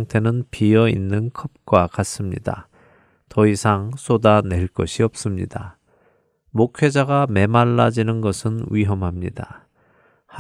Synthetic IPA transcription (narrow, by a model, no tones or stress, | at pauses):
ŋtʰe̞nɯnpiʌḭnːɯnkʰʌp̚k͈wakas͈ɯmɲḭda̰ | tʌisʰaŋs͈ʰodane̞ɭk͈ʌɕʰiʌp̚s͈ɯmɲḭda | mokʰwe̞d͡ʑaɡame̞maɭːad͡ʑinɯnɡʌsʰɯnwiɦʌmɦamɲida̰ | h